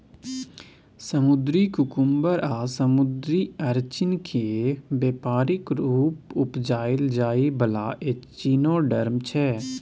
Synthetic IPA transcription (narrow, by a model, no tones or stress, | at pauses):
səmʊd̪ɾikʊkʊmbəɾʔaːsəmʊd̪ɾiːəɾt͡ʃɪnkʰebeːpaːɾɪkɾuːpʊpd͡ʒaːɪld͡ʒaːibəlaːʔet͡ʃiːnoːɖəɾmt͡ʃʰɛː